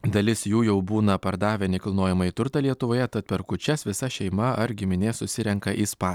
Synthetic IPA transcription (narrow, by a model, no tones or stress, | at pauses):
d̪ɐlʲɪsjuːjɛʊbuːnɐpɐɾd̪ɑːʋʲɛnʲɛkɐlˠnoːjɛmɐit̪ʊɾt̪ɐlʲiɛt̪ʊʋoːjɛt̪ɐt̪̚pʲɛɾkʊt͡ʃʲɛsʋʲɪsɐʃʲɛɪmɐɐɾɡʲɪmʲɪnʲeːssʊsʲɪɾʲɛŋkɐʔispɑː